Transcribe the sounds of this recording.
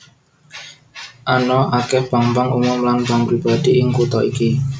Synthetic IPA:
ʔanɔʔakɛhb̥a̤ŋbaŋumʊmlanb̥aŋpɾib̥a̤d̪̥iʔɪŋkut̪ɔʔiki

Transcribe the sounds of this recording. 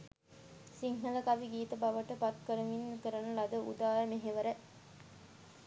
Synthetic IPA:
siŋɦɐlɐkɐʋiɡiːt̪ɐbɐʋəʈəpɐt̪̚kəɾəʋinːkəɾɐnəlɐd̪əṵd̪aːjəmeɦeʋəɾə

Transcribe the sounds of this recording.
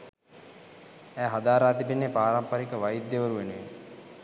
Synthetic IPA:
æːɦad̪aːɾaːt̪ipinːepaːɾampaɾikəʋajid̪jeʋəɾuʋenuʋe

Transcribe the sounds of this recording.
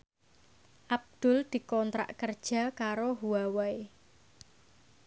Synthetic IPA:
ʔab̚d̪̥ʊ̤ld̪̥i̤kɔnt̪ɾa̰ʔkərd̥ʒ̥a̤kaɾoɦuawae

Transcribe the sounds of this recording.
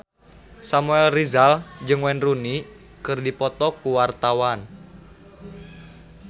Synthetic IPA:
samuɛlrizald͡ʒɨŋwɛnruni | kɨrdipɔt̪ɔkuwart̪awan

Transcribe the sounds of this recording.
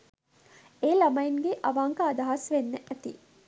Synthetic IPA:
eːlɐmɐiŋɡeʔɐʋaŋkaːd̪aɦɐsʋenːeʔæt̪i

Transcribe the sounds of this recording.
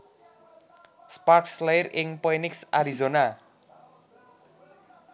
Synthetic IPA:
sparkslajɾeŋpɔjniksaɾizona

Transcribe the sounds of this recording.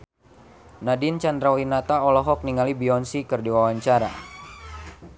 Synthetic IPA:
nadint͡ʃand̪ɾawinat̪aɔlɔɦɔk̚niŋalibiɔnsikɨrdiwawaɲt͡ʃaɾa̰

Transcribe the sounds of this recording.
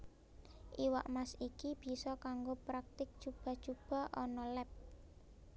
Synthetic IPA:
ʔiwaʔmasikib̥i̤sɔkaŋɡopɾak̚t̪ɪk̚t͡ʃub̥a̤̥t͡ʃub̥a̤ʔɔnɔlɛp̚

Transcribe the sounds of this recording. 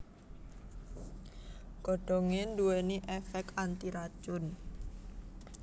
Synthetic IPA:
ɡ̥ɔɖ̥ɔŋɪnduwɛniʔɛfɛk̚ant̪iɾat͡ʃʊn

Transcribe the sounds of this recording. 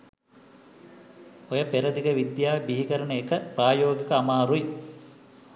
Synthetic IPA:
ojɐpeɾɐd̪iɡɐʋid̪jaːbiɦikɐɾɐɳɐekəpraːjoːɡikɐːmaːɾui

